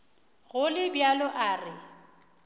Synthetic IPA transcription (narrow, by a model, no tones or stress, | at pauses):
ɣʊlɪbjalɔʔaːrɪ